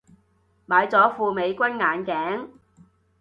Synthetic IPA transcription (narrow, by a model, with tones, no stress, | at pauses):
maː˨˧˥jt͡sɔː˨˥fuː˨˧me˨˧jkʷɐ˥nŋaː˨˧nkɛː˨˥ŋ